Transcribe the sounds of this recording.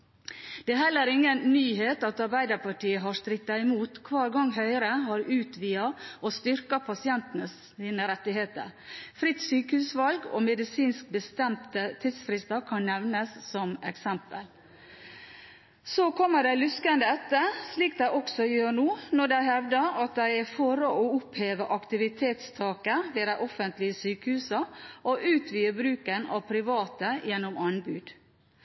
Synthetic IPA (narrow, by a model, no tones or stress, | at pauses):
d̪̥ɛːɦɛlːəɾɪŋːənnyːɦeːt̪ɑt̪ɑɾbæɪd̪əɾpɑʈiːəɦɑʂt̪ɾɪt̪ːɑɪmuːt̪kʰʋɑːɾɡɑŋːɦœʏɾəhɑɾʉːt̪ʋiːɑɔst̪ʏɾkɑpʰɑsɪɛnt̪ənəs | iːnəɾɛt̪ːɪɦeːt̪ə̰ɾfɾɪt̪syːkəhʉːsʋɑlɡo̰mɛd̪ɪsiːnsk̚bəst̪ɛmt̪ət̪ʰɪd̪sfɾɪst̪ɑkʰɑnnɛʋnəsːɔmɛksɛmpəl | soːkʰɔmːəɖæɪlʉskənd̪əɛt̪ːəsliːk̚d̪æɪʔɔksɔjøːɳuːnɔɖæɪhɛʋd̪əɾɑt̪̚d̪æɪæɾfɔɾəʔɔʊpheːʋəʔɑkt̪ɪʋɪt̪ʰeːt̪st̪ʰɑːkəʋ̪eːɾæɪʔɔfənt̪lɪəsyːkəhʉːsəʔoʔʉːt̪ʰʋiːəbɾʉːkənɑ̰ʋpʰɾɪʋɑːt̪əjɛnːʊmɑnbʉːd̪̥